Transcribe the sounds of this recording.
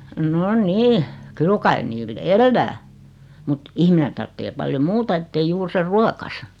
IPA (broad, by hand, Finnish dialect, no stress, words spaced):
no niː kyl kɑi niːl elːæː mut ihmine tɑrtːeː pɑljo muːtɑ etːei juːr ser ruokɑsɑ